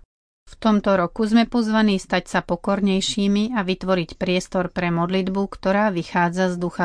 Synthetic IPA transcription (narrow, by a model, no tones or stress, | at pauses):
ft̪ɔmt̪ɔɾɔkuzmɛpɔzʋaniːst̪acsapɔkɔɾɲɛjʃiːmiʔaʋit̪ʋɔɾicpɾɪɛst̪ɔɾpɾɛmɔd̪lid̪bukt̪ɔɾaːʋixaːd͡zazd̪uxa